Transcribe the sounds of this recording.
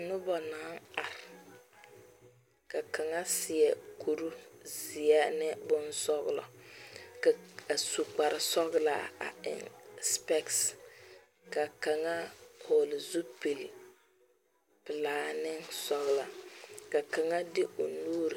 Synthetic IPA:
nʊ˦bɔ˨naː˨˦ŋa˨ɾɪ˨ | ka˨ka˨ŋa˦sɪ˨ɛ˨kʰu˨ɾu˦zɪ˨a˦nɪ˦bʊ˦nsɔ˦ɣ̰lɔ̰˨ka˨su˨k͡pa˨ɾɪ˨sɔ˦ɣla̰˨a̰˨ɪ̰˨nspɛ˦ks | ka˨ka˨ŋa˦ho˨lɪ˨zu˦pe˨l | pɪ˨laː˦nɪ˦ŋsɔ˨˦ɣla˨ka˨ka˨ŋa˦dɪ˦ʔo˨nuː˦ɾ

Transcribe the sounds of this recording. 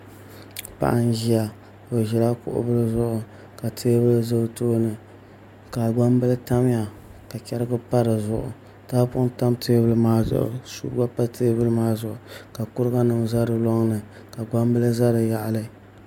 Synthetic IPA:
pa̰˦˨ʔa˦nʒi˦ja˨ | bo˨ʒɛ˨la˦kʊ̰˦ʔʊ̰˦bɨ˦lɨ˦zʊ˦˨ʔʊ˨ | ka˨tʰeː˦bɨ˦lɨ˦zo˦toː˦nɨ˨ | ka˨ɡ͡ba˦mbɨ˦lɨ˦ta˦m˦ja˨ | ka˨t͡ʃɛ˦ɾɨ˦ɡɨ˦pa˦ɾɨ˨zʊ˨ʔʊ̰˨ | taː˦pʊ˦ʊ˦ta˦mtʰeː˦bɨ˦lɨ˦maː˦zʊ̰˨ʔʊ̰˨sṵ˦ɾa˦pa˦tʰeː˦bɨ˦lɨ˦maː˦zʊ˨ʔʊ˨ka˨kʊ˦ɾɨ˦ɡa˦nɨ˨mza˦ɾɨ˨lɔ˦ŋnɨ˨ | ka˨ɡ͡ba˦mbɨ˦lɨ˦za˦ɾɨ˨ja˨ʔa˨lɨ˦

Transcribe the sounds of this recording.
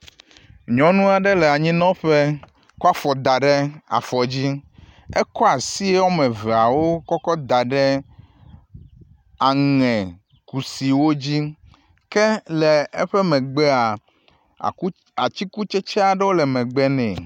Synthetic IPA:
ɲɔ̃˨nũ˦a˨ɖɛ˦lɛ˨a˨ɲĩ˦nɔ̃˦ɸe˦ | ku˦a˦fɔ˨d̪a˨ɖɛ˦a̰˨fɔ˨d͡ʑi˦ɛ˦kɔ˦a˨si˦e˦wɔ˦mɛ̃˨vɛ˨a˨wo˦kɔ˦kɔ˦d̪a˨ɖɛ˦ | a˨ŋɛ̃˨ | ku˨si˨wo˦d͡ʑi˦ | kɛ˦le˨ɛ˦ɸɛ˦mɛ̃˨ɡ͡bɛ˦a˨˦ | a˨t͡ɕi˦ku˦t͡ʃɛ˦t͡ʃɛ˦a˨ɖɛ˦wo˦lɛ˨mɛ̃˨ɡ͡bɛ˦nɛ̃˨

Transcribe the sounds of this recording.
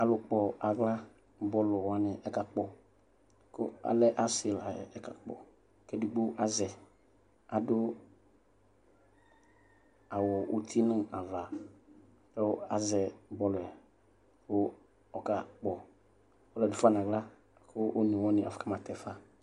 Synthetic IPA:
a˨lʊ˨k͡pɔ˨ʔa˨ɡla˦ | bɔ˦lʊ˨wa˦nɪ˨ɛ˦ka˨k͡pɔ˦ | kʊ̰˦a̰˨lɛ˦ʔa˦sɪ˨la˨jɛ̰˨ɛ˦ka̰˨k͡pɔ̰˨ | kɛ˦du˨ɡ͡bo˦ʔa˦zɛ˨ | a˨dʊ˦ | a˨wɔ˨ʔo˦t̪ʰi˦nɪ̃˦a˨va˨ | kɛ˦a̰˨zɛ˨bɔ˦lʊ˨a˨ | kʊ˦ | ɔ˨ka˨k͡pɔ˨ | ɔ˦lɛ˨dʊ˨fa˦n˨ɡla˦ | kʰʊ˦ʔo˦ni˨wɔ˦nɪ̃˨ʔa̰˨fʊ˨ka˦ma˨tɛ˨fa˦

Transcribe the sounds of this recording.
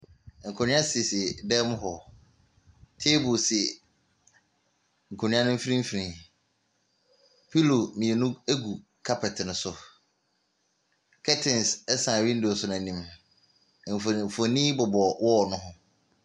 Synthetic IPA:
ŋ̩˨kʰɔ˨nɪ̃˦a˦si˨sdɛ˦m˦ɦɔ˨ | tʰe˦bʊ˨sɪ˨ | ŋ̩˨kʰo˨nɪ̃˦ã˦nʊ̃˦m̩˦fi˦ɾĩ˦m̩˦fi˨ɾĩ˨ | pʰi˦lo˨mĩ˨e˨nũ˦e˦ɡu˨ | kʰa˦pʰɛ˨tʰnʊ̃˨sʊ˨ | kʰɛ˦tʰɪ̃˨nsɛ˦sã˨ɥĩ˦n̩˦dʊ˨ɔ˨sʊ˦nã˨nĩ˨m˨ | m̩˨fo˨nĩ˦bɔ˨bɔ˨wɔ˦˨nʊ̃˦ɦʊ̃˦

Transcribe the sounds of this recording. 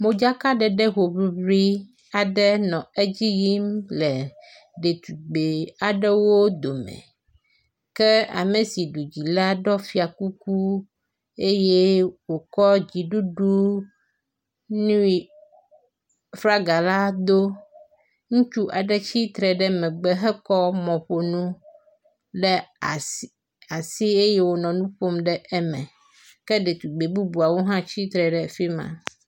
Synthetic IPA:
mo˨d͡ʒa˦ka˦ɖɛ˨ɖɛ˦ɦo˨bi˦bɾi˦ | a˨ɖɛ˦nɔ̃˨e˦d͡ʑi˦ji˦mlɛ˨ | ɖe˨t̪u˨ɡ͡be˨a˨ɖɛ˦wo˦d̪o˨mɛ̰̃˨ | kɛ˦a̰˨me˨si˨ɖu˨d͡ʑi˨la˦ɖɔ˦fi˦a˨ku˦ku˦ | e˦je˦wo˨kɔ˦d͡ʑi˨ɖu˦ɖu˦ | nũ˦i˨ | fɾa˦ɡa˨la˦d̪o˦ | ŋũ˦t͡ʃu˦ʔa˨ɖɛ˦t͡ɕi˦t̪ɾɛ˨ɖɛ˦mɛ̃˨ɡ͡bɛ˦ɦɛ˦kɔ˦mɔ̃˨ɸo˨nũ˦ | ɖɛ˦˨ | a˨si˦e˦je˦wo˨nɔ̃˨nũ˦ɸo˦mɖɛ˦ʔɛ˦mɛ̃˨ | kɛ˦ɖe˨t̪u˨ɡ͡be˨bu˦bu˨a˨wo˦ɦã˦t͡ɕi˦t̪ɾɛ˨ɖɛ˨fi˦mã̰˨

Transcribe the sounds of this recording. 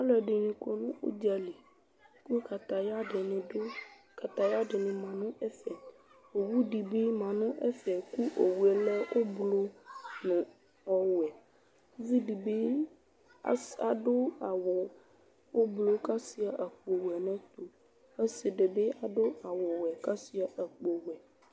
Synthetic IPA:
a˦lɛ˨ɖe˨nĩ˨kɔ˨nũ˦o̰˦d͡ʒa˨li˨ | ku˦ka˨t̪a˨ja˦ɖe˨nẽ˨ɖo˦ | ka˨t̪a˨ja˦ɖe˨nẽ˨mã˨nũ˦e˦fɛ˨ | wo˨wu˦ɖi˨be˦mã˨nũ˦ʔḛ˦fɛ˨ku˦ʔo˨wu˨ɛ˨le˦ʔo˦blo˦nẽ˨ | ɔ˦wɛ˨˦ | vi˦ɖi˨be˦ | a̰˦a˨ɖo˦a˨wɔ˨ | wo˦blo˦ka˦si˦a˨ʔə˨k͡po˨wu˨ɛ˨nã˦t̪o˨ | e˦se˨ɖe˨be˦a˨ɖo˦a˨wɔ˨wɛ˨ka˦si˦a˨ʔə˨k͡po˨wɛ˨

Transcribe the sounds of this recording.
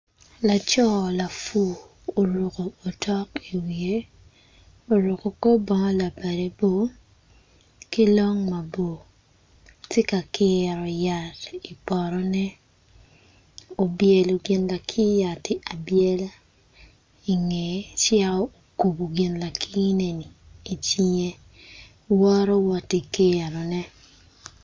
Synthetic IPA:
la˨t͡ʃɔ˦la˨fu˦˨ | o˨ɾu˨koː˨tʰɔ˦ki˨wje˨ | o˨ɾu˨ko˨ko˦bɔ˨ŋɔ˦la˨ba˨de˨bo˦ | ki˦lɔ˦ŋma˨bo˨ | tje˦ka˨kɪ˦ɾɔ˨ja˨ti˨pɔ˨ɾɔ˦nɛ˦ | o˨bje˨lo˨ɡɪ˨nla˨kʰi˦ja˨tɪ˨ʔa˨bje˦la˦ | i˨ŋe˨˦t͡ʃɪɛ˦ɔ˦o˨ku˨bo˨ɡɪ˨nla˨kʰi˦ne˨ni˨i˨t͡ʃi˦ɲe˦ | wɔ˦ɾɔ˦wɔ˨ti˨kɪ˦ɛ˨ɾɔ˨nɛ˦

